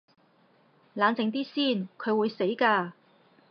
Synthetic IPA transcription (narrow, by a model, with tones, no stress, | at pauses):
laː˨˧nt͡sɪ˨˧ŋt̪iː˥siː˥˩nkʰɵ˨˧ɥwuː˨˧jse˨˥jkaː˧